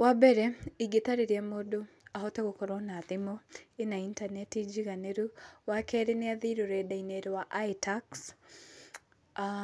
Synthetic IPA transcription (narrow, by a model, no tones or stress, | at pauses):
wabɛɾɛiɡetaɾeɾjamodo | aɦɔteɣokoɾɔnaðemoenaintanɛtid͡ʒiɣaneɾuwakɛɾeneaðiɾoɾɛdaineɾwaʔaitaks